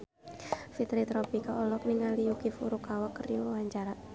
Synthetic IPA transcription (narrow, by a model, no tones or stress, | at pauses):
fit̪ɾit̪ɾɔpikaɔlɔk̚niŋaliukifuɾukawakːriowaɲt͡ʃaɾat̪̚